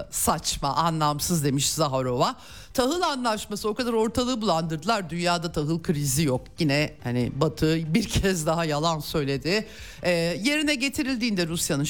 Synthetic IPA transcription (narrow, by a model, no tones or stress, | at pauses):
sat͡ʃmaʔanlˠamsɯzd̪e̞miʃzaɦaɾo̞va | t̪ʰaɦɯlˠanlˠaʃmasɯo̞kad̪aɾo̞ɾt̪ʰalˠɯːbulˠand̪ɯɾd̪ɯlˠaɾd̪ynjaːd̪at̪ʰaɦɯlˠkʰɯɾizijokjinɛhaniɪ̰bat̪ʰɯbiɾcʰɛzd̪aɦajalˠansø̞jlʲe̞d̪ɪ | ɛːje̞ɾinɛɟe̞t̪ʰiɾilʲd̪iːnd̪ɛɾusjanɯn